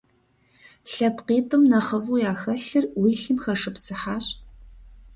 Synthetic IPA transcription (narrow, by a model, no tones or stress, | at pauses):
ɬɐpqiːtʼɨmnɐχɐvuːjaːxɐɬɨrwiːɬɨmxɐʂɨpsɨħaːɕ